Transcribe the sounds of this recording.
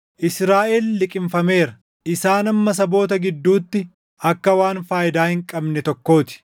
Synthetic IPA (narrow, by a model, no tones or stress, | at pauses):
ʔɪsɾaːʔeːlːɪkʼɪmfɐme̞ːɾɐ | ʔɪsaːnɐmːɐs̬ɐbo̞ːt̪ɐɡɪd̪ːuːt̪ːɪ | ʔɐkːɐwaːnfaːjɪd̪aːhɪŋkʼɐbnɛt̪ɔkːo̞ːt̪ɪ̥